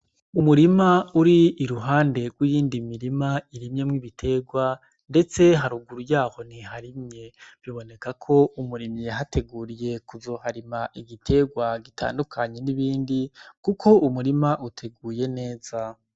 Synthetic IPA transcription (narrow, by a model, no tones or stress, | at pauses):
umuɾimauɾiːɾuɦaːnde̞ɡwijiːndimiɾimaiɾimɲe̞mŋiβitʰe̞ɡwa | nde̞t͡se̞ɦaɾuɡuɾujaːho̞niɦaɾimɲe̞β̥joːβo̞ne̞kakʰo̞umuɾimiɦate̞ɡuːɾije̞kuzo̞ːhaɾimaʔiɡitʰe̞ɡwaɡitʰa̰ːndukʰaɲe̞niβiːndikukʰo̞umuɾimaʔutʰe̞ɡuːje̞ne̞ːz̥a